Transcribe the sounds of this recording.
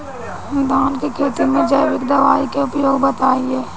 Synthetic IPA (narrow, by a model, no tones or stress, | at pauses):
ɪd̪aːnkekʰeːt̪imẽd͡ʒəjbɪkd̪ɐʋaːikeʊpjoːɡ̚bət̪aːieː